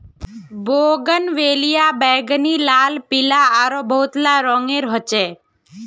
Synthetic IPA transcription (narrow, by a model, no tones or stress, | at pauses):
boɡənʋelijabɛɡnilaːlpilaaɾobʱəut̪laɾɔŋeɾɦət͡ʃe